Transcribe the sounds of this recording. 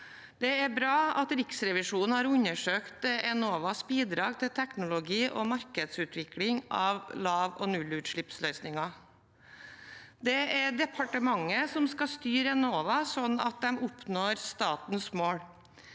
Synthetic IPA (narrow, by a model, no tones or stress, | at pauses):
d̪ɛæɾbɾɑːɑt̪ɾɪksɾɛʋɪʂuːnn̩hɑɾʉɲːəʂøːkt̪ɛnoːʋɑsbiːd̪ɾɑːɡ̚t̪ʰɪlt̪ʰɛknʊlʊɡiːʔɔ̰mɑɾkəd̪sʉːt̪ʰʋɪklɪŋɑʋlɑːʋɔ̰nʉlʉːt̪ʂɭɪpslœʏsnɪŋɑ | d̪ɛæɖɛpʰɑʈəmɑŋːəsɔmskɑst̪yːɾɛnoːʋɑsɔnːɑ̰t̪̚d̪ɛmʊpnoːɾst̪ɑːt̪nsmoːɽ